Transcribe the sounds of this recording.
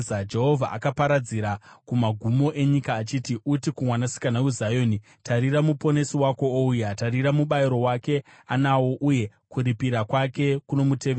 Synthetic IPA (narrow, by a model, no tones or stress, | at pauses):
ad͡ʒe̞ɦo̞vʱaʔa̰kapaɾad͡ziɾakumaɡʱumo̞ʔe̞ɲikaːt͡ʃiːtiʔutikumwanasi̥kanawuzajo̞ːni | tʰaɾiramupo̞ne̞siwako̞oujatariramuɓaiɾo̞wake̞ | anawo̞ʔuje̞kuɾipiɾakwake̞kuno̞muteʋe